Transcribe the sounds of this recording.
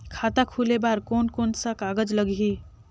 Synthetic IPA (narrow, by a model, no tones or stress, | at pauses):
kʰaːt̪akʰulebaːɾkoːnkonsakaɡəd͡ʒləɡʱi